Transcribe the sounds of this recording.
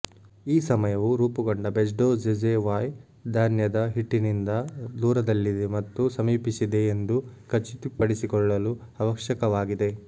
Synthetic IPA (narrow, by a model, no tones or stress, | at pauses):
iːsɐmɐjɐʋuɾuːpɐɡoɳɖɐbed͡ʒɖoːd͡ʒed͡ʒeʋaːj | d̪ʱaːnjɐd̪ɐɦiʈːinind̪ɐd̪uːɾɐd̪ɐlːid̪emɐt̪ːusɐmiːpisid̪e̞ːnd̪ukɐt͡ʃːit̪ipɐɽisikɔɭːɐlu | ɐʋɐkʃjɐkɐʋaːɡid̪e̞